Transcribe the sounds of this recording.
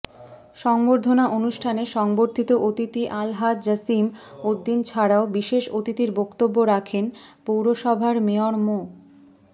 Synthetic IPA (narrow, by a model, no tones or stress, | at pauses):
ʃɔŋboɾd̪ʱonaʔonuʃʈʰaneʃɔŋboɾt̪ʰit̪oʔot̪it̪iʔalɦat̪d͡ʑasimod̪ːint͡ɕʰaɾaobiʃeʃot̪it̪iɾbokt̪obːoɾakʰenpowɾoʃɔbʱaɾmeoɾmo